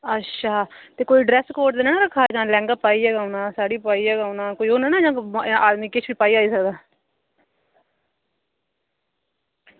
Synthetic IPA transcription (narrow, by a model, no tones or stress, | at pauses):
ətːʃʰaːt̪eːkoːiːɖɾɛːskoːʈd̪eːnaːnaːɾəkʰːaːd͡ʒãːlɛ̃ːŋɡaːpaːiːɛːɡaːʊnãːsaːɽiːpaːiːɛːɡaːunãːkoːiːoːnaːnãːd͡ʒãːaːd̪miːkɪt͡ʃʰʋiːpaːiːaːiːsəkd̪aː